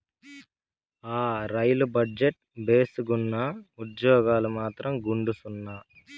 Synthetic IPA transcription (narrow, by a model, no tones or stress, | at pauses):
aːɾɐjlubɐɖd͡ʒeʈ̚ | beːsuɡunːɐud̪jɔːɡaːlumaːt̪ɾɐmɡuɳɖusunːaː